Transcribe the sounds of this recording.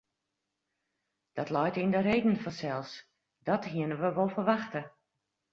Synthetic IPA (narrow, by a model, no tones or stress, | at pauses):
d̥ɔtlɔjtindəɾeːdn̩fɔnsɛlˠs | dɔthiənəʋəʋolˠfərʋaxtə